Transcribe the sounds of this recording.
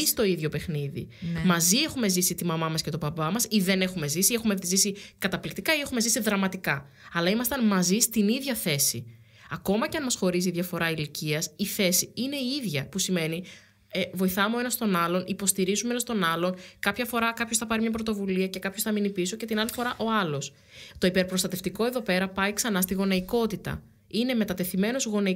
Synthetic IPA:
ist̪o̞iðʝo̞pe̞xniðḭmɐzie̞xume̞zisit̪imɐmɐmɐscet̪o̞bɐbɐmɐsiðe̞ne̞xume̞zisie̞xume̞zisikɐt̪ɐplikt̪ikɐiexume̞zisiðɾɐmɐt̪ikɐ | ɐlɐimɐst̪ɐnmɐzist̪iniðʝɐθe̞si | ɐko̞mɐceɐnmɐsxo̞ɾiziiðʝɐfo̞ɾɐiliciɐsiθe̞siine̞iiðʝɐpusime̞ni | evo̞iθɐmeenɐst̪o̞nɐlo̞nipo̞st̪iɾizumeenɐst̪o̞nɐlo̞nkɐpçɐfo̞ɾɐkɐpço̞sθɐpɐɾimɲɐpɾo̞t̪ovuliɐce̞kɐpçoθɐminipiso̞ce̞t̪inɐlifo̞ɾɐʔo̞ɐlo̞s | t̪o̞ipe̞ɾpɾo̞st̪ɐt̪e̞ft̪iko̞eðo̞pe̞ɾɐpɐiksɐnɐst̪iɣo̞nɐiko̞t̪it̪ɐ̰ | ine̞me̞t̪ɐt̪e̞θime̞no̞zɣo̞nɐi

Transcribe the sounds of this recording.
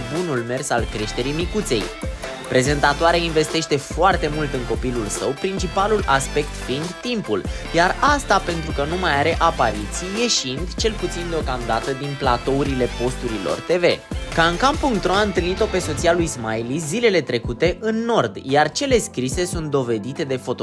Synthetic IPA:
bunulme̞rsalkɾe̞ʃt̪e̞ɾimikut̪se̞̰j | pɾe̞ze̞nt̪at̪oaɾeainve̞st̪e̞ʃt̪e̞foart̪e̞mult̪ɨŋko̞pilulsəwpɾint͡ʃipalulaspe̞k̚t̪find̪ːimpuljarast̪ape̞nt̪ɾukənumajaɾe̞ʔapaɾit̪sijje̞ʃind̪t͡ʃe̞lput̪sind̪eokamd̪at̪əd̪inplat̪o̞uɾile̞po̞st̪uɾilo̞̰rt̪e̞ve̞kaɨŋkampːuŋk̚t̪ɾoaɨnt̪ɨlnit̪o̞pe̞so̞t̪sijalujzmailizile̞le̞t̪ɾe̞kut̪e̞ʔɨnːo̞rd̪jart͡ʃe̞le̞skɾise̞sunt̪̚d̪o̞ve̞d̪it̪e̞d̪e̞fo̞t̪o

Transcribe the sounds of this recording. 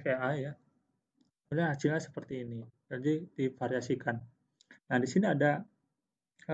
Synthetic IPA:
keaja | mulahasilɲasə̥pərt̪iːnid͡ʒadidifaɾiasikanː | ahdisiniada | ə

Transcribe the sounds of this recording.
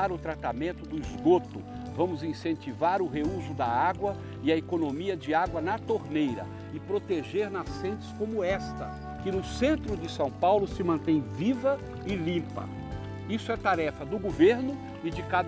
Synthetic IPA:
aɾʊt̪ɾat̪amẽnt̪ʊd̪ʊizɡot̪ʊ | vɐ̃mʊzĩsẽnt͡ʃivaɾʊɦeuzʊd̪ɐaɡwɐ | ɪɐekonõmiɐd͡ʒɪaɡwɐnɐt̪oɾnejɾɐ̰ | ɪpɾot̪eʒeɾnasẽnt͡ʃɪ̥skõmʊɛst̪ɐ | kɪnʊsẽnt̪ɾʊd͡ʒɪsɐ̃w̃pawlʊsɪmɐ̃nt̪ẽj̃vivɐ | ɪlĩpɐ̰ | isʊɛt̪aɾɛfɐd̪ʊɡoveɾnʊ | ɪd͡ʒɪkad̪

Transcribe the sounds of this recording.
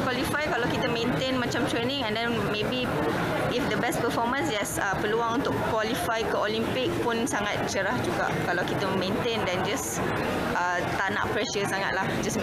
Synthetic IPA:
kwalifajkalawkit̪əmẽnt̪enmat͡ʃãmt̪ɹenĩŋɛ̃ndɛ̃n | mebi | ʔifdəbɛs̚pəfɔmə̃nsd͡ʒɛsəpəluãŋũnt̪ʊkwalifajkəolimpɪk̚punsaŋat̪̚t͡ʃəɾahd͡ʒuɡa̰kalawkit̪əmẽnt̪ẽndɛ̃nd͡ʒas | ʔa | t̪aʔna̰ʔpɹɛʃəsaŋa̰t̪lahd͡ʒas

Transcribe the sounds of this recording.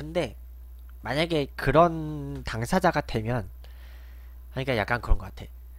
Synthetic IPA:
kɯnde̞ | maɲaɡe̞kɯɾʌntaŋsʰad͡ʑaɡadwe̞mjʌn | haɲik͈ajak͈̚ankɯɾʌnɡʌk͈atʰe̞̰

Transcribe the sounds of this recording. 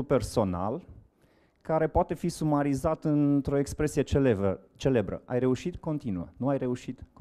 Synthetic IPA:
upe̞rso̞na̰l | kaɾe̞poat̪e̞fisumaɾizat̪ɨnt̪ɾo̞ekspɾe̞sijet͡ʃe̞le̞bɾə̰ʔa̰jre̞uʃit̪ko̞nt̪inuə̰nuajre̞uʃit̪k

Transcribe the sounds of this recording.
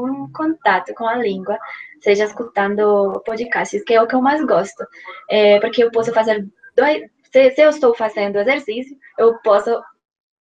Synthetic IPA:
ũkõnt̪at̪ʊkõɐlĩŋɡwɐseʒɐeskut̪ɐ̃nd̪ʊpod͡ʒikast͡ʃɪskɪɛʊkɪewmajzɡɔst̪ʊɛpoɾkɪewpɔsʊfazeɾd̪oj | sɪsɪewɪst̪owfazẽnd̪ʊezeɾsisjʊ | ewpɔsʊ

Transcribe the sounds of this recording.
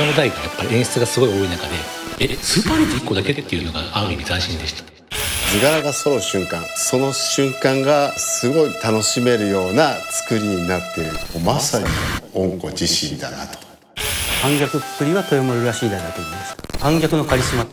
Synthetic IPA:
ood̪ait̪ːjapːaɾʲiẽɰ̃ɕi̥t͡sɨɡasɨɡo̞io̞ːinakad̪e̞ | esɨpaɾʲit̪iikːo̞d̪ake̞t̪ːe̞iɯ̟no̞ɡa̰ãiɲʲizaɕĩnd̪e̞ɕi̥t̪ḁ | d͡zɨɡaɾaɡaso̞ɾo̞ɕɨ̃ŋkãŋ̃so̞no̞ɕɨ̃ŋkãŋɡasɨɡo̞it̪ano̞ɕime̞ɾɯ̟jo̞ːnat͡sɨ̥kɯ̟ɾʲiɲinat̪ːe̞ɯomasaɲʲḭõŋko̞̰d͡ʑiɕḭ̃nd̪a̰na̰t̪o̥ | kãŋɡʲakɯ̟t͡sɨ̥kɯ̟ɾʲiβat̪o̞jomoɾɯ̟ɾaɕiːd̪ad̪at̪edaskãŋɡʲakɯ̟no̞kaɾʲisima

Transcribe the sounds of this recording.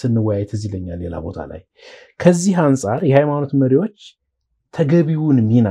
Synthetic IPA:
sɨnːɨwajajɛt̪ʰɨziləɲːalːe̞la̰bo̞̰t̪ʰa̰la̰j | kʰəzːiɦansʼaɾjɛhajmano̞t̪məɾiwo̞t͡ʃː | t̪ʰəɡəβiwunmːina

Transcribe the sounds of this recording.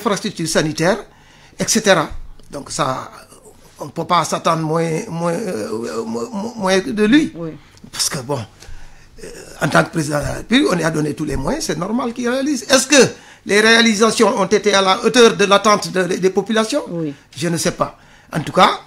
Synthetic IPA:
ɛfɾast̪ɾyk̚t̪yːɾsanitɛːɾ | ɛkseteɾadɔ̃ŋksa̰ | ɔ̃nəpøpasatɑ̃nd̪ɾmw̃mwɛ̃ | mwɛ̃dəli | pasə̥kəbɔ̃ | ãntɑ̃ŋkə̥pɾezidãpyblikɔ̃neadonetulɛmwajɛ̃sɛnɔrmalkirealizɛskə | leɾealizasjɔ̃ɔ̃ntetealaotəːɾdəlatãntədepopylasjɔ̃ | ʒənəsɛpa | ʔã̰ntuka

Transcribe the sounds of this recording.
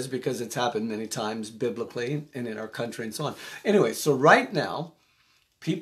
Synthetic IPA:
zbɨkʰʌzɨtshæpɨ̃nmɛnitʰãɪ̃mzbɪbləkʰliɨ̃nɨ̃naʊə˞kʰʌ̃nt͡ʃɹ̥iɨ̃nsoʊɑ̃nɛñiweɪsoʊɹaɪtⁿna̰ʊ | pʰip

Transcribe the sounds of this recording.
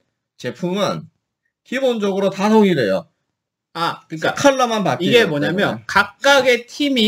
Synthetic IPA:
t͡ɕe̞pʰumɯn | kibond͡ʑʌɡɯɾotasʰoŋiɾejo̰ | akɯɲk͈akʰʌɭːamanpakiɡemoɲamjʌnkak̚k͈aɡe̞tʰimi

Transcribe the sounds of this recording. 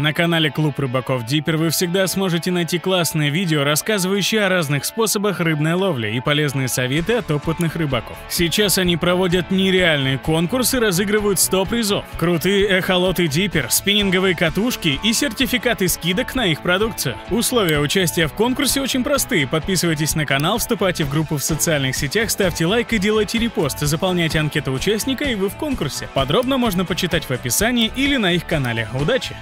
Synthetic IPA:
nəkɐnalʲɪklˠuprɨbɐko̞fdʲipʲɪrvɨfsʲɪɡ̚d̪asmo̞ʐɨtʲɪnɐjtʲiklˠasnɨjəvʲidʲɪoɾɐskazɨvəjʉɕːɪjɐɾaznɨxspo̞səbəxrɨbnəjəlˠo̞vlʲɪ̰ipɐlʲe̞znɨjəsɐvʲe̞t̪ɨɐt̪o̞pɨt̪nɨxrɨbɐko̞̰fsʲit͡ɕasɐnʲipɾɐvo̞dʲət̪nʲɪɾʲɪalʲnɨjəko̞nkʊrsɨɾɐzɨɡɾɨvəjʊt̪st̪opɾʲɪzo̞fkɾʊt̪ɨjəɛxɐlˠo̞t̪ɨdʲipʲɪrspʲɪnʲɪnɡəvɨjəkɐt̪uʂkʲɪʔisʲɪrtʲɪfʲɪkat̪ɨskʲid̪əknɐixpɾɐd̪uk̚t̪sɨjɪʊslˠo̞vʲɪjəʊt͡ɕæsʲtʲɪjəfko̞nkʊrsʲɪot͡ɕɪnʲpɾɐst̪ɨjɪpɐt̪̚pʲisɨvəjt̬ʲɪsʲnəkɐnalˠfst̪ʊpajtʲɪvɡɾupːʊfsət̪sɨalʲnɨxsʲɪtʲaxst̪afʲtʲɪlˠajkɨdʲelˠəjtʲɪɾʲɪpo̞st̪ɨzəpɐlˠnʲæjtʲɪɐnkʲet̪əʊt͡ɕæsʲnʲɪkəivɨfko̞nkʊrsʲɪpɐd̪ɾo̞bnəmo̞ʐnəpət͡ɕɪt̪atʲvɐpʲɪsanʲɪːʔilʲɪnɐixkɐn̪alʲɪʊd̪at͡ɕɪ

